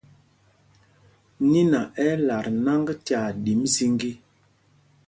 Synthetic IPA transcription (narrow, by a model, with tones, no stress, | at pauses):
ni˦na˨ɛ˦la˨ɾna˦ŋɡti˦a˨ɗi˨˦mzi˦ŋɡi˦